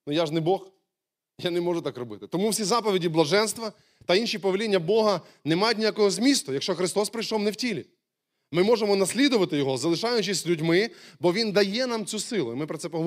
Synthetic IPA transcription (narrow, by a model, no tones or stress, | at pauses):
nʊjaʒnɪbɔx | janɛmɔʒʊt̪akrɔbɪt̪ɪt̪ɔmuwsʲizɑpɔʋʲidʲiblˠɐʒɛnst̪ʋɐ | t̪ɐinʃipɔʋʲelʲinʲːɐbɔɦɐ | nɛmajʊtʲnʲijakɔɦɔzmʲist̪ʊjɐkʃt͡ʃɔxɾɪst̪ɔspɾɪjʃɔwnɛwtʲilʲi | mɪmɔʒemɔnɐsʲlʲid̪ʊʋɐt̪ɪjɔɦɔzɐlˠɪʃɑjʊt͡ʃɪsʲzʲlʲʉdʲmɪbɔʋʲind̪ɐjɛnamt͡sʲusɪlˠʊimɪpɾɐtsɛpɔɦɔʋ